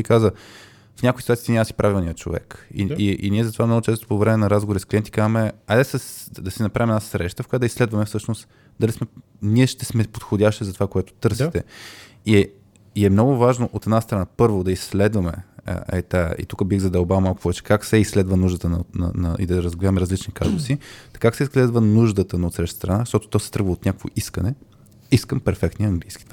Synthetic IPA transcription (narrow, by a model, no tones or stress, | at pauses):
ikazə | fnʲakoʊisit̪uait̪iɲʲaməsi̥pɾʔavilˠniət͡ʃo̰vɛ̰kḭiʔḭnʲiɛzɐt̪ovamnɔɡʊt͡ʃɛst̪o̥povɾɛmɛnɐɾazɡovɾiskliɛnt̪i̥kazəmɛad̪ɛsəsd̪ɐsinɐpɾavimɛd̪nasɾɛʃt̪əfkojad̪ɐislɛd̪vɐmɛfsɤʃnost̪ | d̪ɐlismɛ | niɛʃt̪ɛsmɛpot̪xodʲaʃt̪izɐt̪ovakoɛt̪ʊ̥t̪ɤɾsit̪ɛ | i | iɛmnɔɡʊvaʒnoʔot̪ɛd̪nast̪ɾɐnapɤɾvod̪ɐislɛd̪vɐmɛ̰ɛ̰t̪aḭt̪ukəbiɣzɐd̪ɛlˠbalˠmalˠkʊ̥pɔvɛt͡ʃɛ̥kaksɛislɛd̪vənuʒd̪ət̪ənnɐ̰nɐ̰ḭd̪ɐɾəzɡʲavəmɛɾəzlit͡ʃnika̰zʊsit̪ɐ̥kaksɛislɛd̪vənuʒd̪ət̪ənɐot̪sɾɛʃt̪st̪ɾɐnaʃt̪ɔt̪o̥t̪ɔsɛ̥t̪ɾɤɡvəot̪nʲakəkvo̰ʔiskənɛ | iskəmpɛɾfɛkt̪noiɐŋɡlijskʲi̥t̪